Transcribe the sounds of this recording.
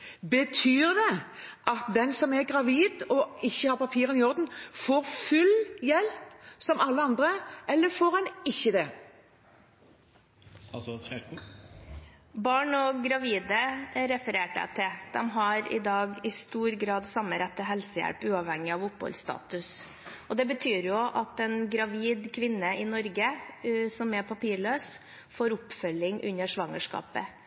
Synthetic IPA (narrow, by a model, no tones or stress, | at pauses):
bət̪ʰyːʁd̪ɛʔɑt̪̚d̪ɛnsɔmɛɡɾɑʋiːd̪ɔɪçːəhɑɾpɑpʰiːɾənɪjɔɾd̪n̩foːɾfʉljɛlpsɔmɑlːəɑnd̪ɾəʔɛlːəfoːɾɛnɪçːəd̪ɛ | bɑːɳɔɡɾɑʋiːd̪əɾɛfəɾeːʈəæ̰t̪ʰɪd̪̥ɛmɦɑɾɪ̰d̪ɑːɡɪst̪uːɾɡɾɑːd̪sɑmːəɾɛt̪ːəɦɛlsəjæ̰lpʉːɑʋhɛŋːɪɑʋʊphɔ̰lst̪ɑ̰ːt̪ʉs | ɔd̪ɛbət̪ʰyːɾjʊʔɑt̪ɛnɡɾɑʋiːd̪kʰʋɪnːəɪnɔɾɡəsɔmɛpʰɑpiːɭøːs | foːɾʊpfœlːɪŋʔʉ̰nːəʂʋɑŋəʂkɑ̰ːpə